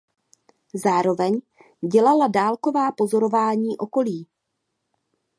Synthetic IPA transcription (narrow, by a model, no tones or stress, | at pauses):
zaːɾo̞vɛɲ | ɟɛlaladaːlko̞vaːpo̞zo̞ɾo̞vaːɲiːʔo̞ko̞liː